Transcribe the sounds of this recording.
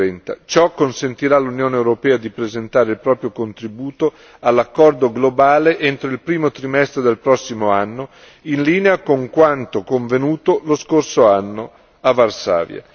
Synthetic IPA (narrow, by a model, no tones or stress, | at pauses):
ɛnt̪a̰t͡ʃɔkːonsent̪iɾalunjoːneːwɾopɛːad̪ipɾezent̪aːɾeilpɾɔːpɾjokont̪ɾibuːt̪o | alːakːɔrd̪oɡlobaːleʔent̪ɾoilpɾiːmot̪ɾimɛst̪ɾed̪elpɾɔsːimoanːo | inliːneakoŋkwant̪okoɱvenuːt̪oloskorsoanːo | avːarsa̰ːvja̰